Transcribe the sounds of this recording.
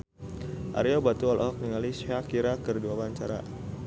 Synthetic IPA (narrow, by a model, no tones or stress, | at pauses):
ʔa̰ɾiobat̪uɔlʔɔhɔk̚niŋalisakiɾakərduawaɲt͡ʃaɾa̰